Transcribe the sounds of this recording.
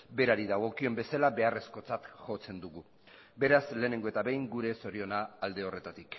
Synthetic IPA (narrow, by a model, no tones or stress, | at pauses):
be̞ɾaɾiðaɣ̞o̞kio̞mbe̞salaβe̞are̞sko̞t͡sat̪ʝo̞t͡se̞nd̪uɣu | be̞ɾazle̞ːne̞ŋɡo̞e̞t̪aβe̞jŋɡuɾe̞so̞ɾio̞naːld̪e̞o̞re̞t̪at̪ik